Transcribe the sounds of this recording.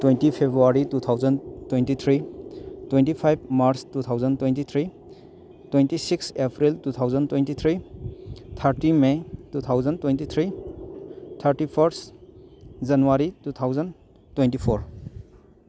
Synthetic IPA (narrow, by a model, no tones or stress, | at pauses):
twejntipʰebɾuaɾitut̪ʰawzəntwentit̪ʰɾitwentipʰajb̚maɾstut̪ʰawzəntwentit̪ʰɾi | twentisiksepʰɾiltut̪ʰawzəntwentit̪ʰɾi | t̪ʰaɾtimetut̪ʰawzəntwentit̪ʰɾi | t̪ʰaɾtipʰɐɾs | zanuwaɾitut̪ʰawzən | twentipʰoɾ